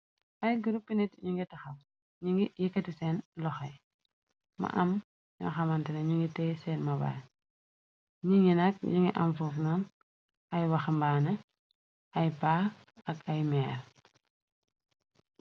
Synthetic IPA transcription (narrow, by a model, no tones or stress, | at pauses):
ʔɐjɡuɾupːinɛtɲiŋɡitɐxɐm | ɲiŋɡijɛkːɐtisɛnlɔxɐj | mɐ̰ʔɐm | ɲɔ̰xɐmɐntɐnɐɲiŋɡitɛsɛːnmɐba̰ːɾ | ɲiŋinɐk̚ɲiŋɡḭʔɐ̰mfuːfnan | ʔɐjwɐxmbaːnɐ | ɐjpa | ɐkɐjmɛːɾ